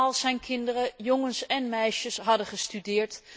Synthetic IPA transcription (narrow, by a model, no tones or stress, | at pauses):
ɑlˠsɛjnkʰɪndərəjoŋənsɛnmɛjʃəsɦɑdəχəstydɪːɹt